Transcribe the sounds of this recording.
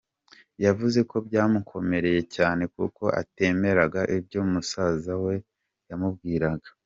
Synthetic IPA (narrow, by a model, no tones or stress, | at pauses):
javuze̞ko̞bɟaːmukʰo̞me̞ɾe̞je̞caːne̞kuko̞ʔa̰te̞me̞ɾaɡaʔibɟjoːmusazawe̞ | jamubɡiːɾaɡḁ